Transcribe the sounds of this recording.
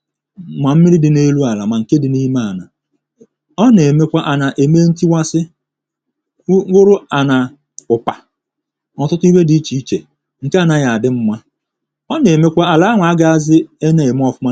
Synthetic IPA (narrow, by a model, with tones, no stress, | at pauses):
ma˨m̩˦mi˦ɾi˦dɪ˨ne˦lu˦a˨la˨ma˨ŋ̩˨ke˦dɪ˨ni˦ma˦˨na˨ | ɔ˦ne˨me˦kʷa˦ʔa˨na˨ʔe˨me˦n̩˦ti˦wa˦sɪ˦ | ɡʊ˦ɾʊ˦a˨na˨ | ʊ˨pa˨ | ɔ˨tʊ˦tʊ˦i˦we˦di˨˦t͡ʃi˨˦i˦t͡ʃe˨ | ŋ̩˨ke˦a˦na˨ɣa˨a˨dɪ˦m̩˦mʷa˦ | ɔ˦ne˨me˦kʷa˦a˨la˦a˦ŋʷa˨˦ɡa˦a˦zɪ˦e˦ne˨e˨m˦ɔ˦fʊ˦mʷa˦